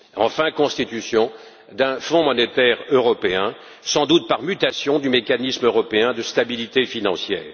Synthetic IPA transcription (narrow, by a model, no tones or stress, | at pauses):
ɑ̰̃fɛ̃kɔ̃st̪it̪ysjɔ̃ | d̪ɛ̃fɔ̃mɔnet̪ɛʁøʁɔpeɛ̃ | sɑ̃d̪ut̪̚paʁmyt̪asjɔ̃d̪ymekanismøʁɔpeɛ̃d̪əst̪abilit̪efinɑ̃sjɛ̰ːʁ